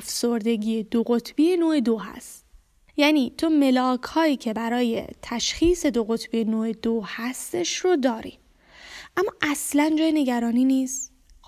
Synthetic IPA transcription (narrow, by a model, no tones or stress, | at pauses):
fsoɾd̪e̞ɡiːjed̪oɣot̪ʰbijenoːed̪oɦæ̰st̪ | jæːniːt̪ʰome̞lɒːkʰhɒːiːcʰe̞bæɾɒːje̞̰t̪ʰæʃxiːse̞d̪oɣo̞t̪ʰbijenoːed̪ohæst̪e̞ʃɾod̪ɒːɾḭ | ʔæmːɒːʔæslænd͡ʒɒːjene̞ɟæɾɒːniːniːst̪